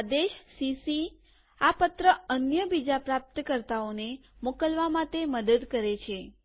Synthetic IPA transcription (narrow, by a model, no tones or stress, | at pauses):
d̪eʃsisi | apət̪ɾəənjəbid͡ʒapɾap̚t̪əkəɾt̪aonemokəlʋamãt̪eməd̪əd̪kəɾet͡ʃʰe